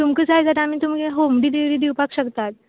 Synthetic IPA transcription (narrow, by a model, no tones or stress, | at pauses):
t̪umkət͡sajd͡zat̪amit̪umɡeɦomɖid̪iɽid̪iwpakɕəkt̪at̪̚